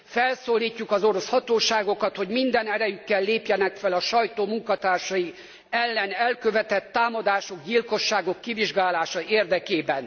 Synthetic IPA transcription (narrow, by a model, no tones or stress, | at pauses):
fɛlsoːliːcːukɒzo̞ɾo̞shɒt̪oːʃaːɡo̞kɒt̪ho̞ɟmind̪ɛnɛɾɛjykːɛlːeːpjɛnɛkfɛlɒʃɒjt̪oːmuŋkɒt̪aːrʃɒji | ɛlːɛnɛlkøvɛt̪ɛt̪ːaːmɒd̪aːʃo̞ɡɟilko̞ʃːaːɡo̞kːiviʒɡaːlaːʃɒeːrd̪ɛkeːbɛn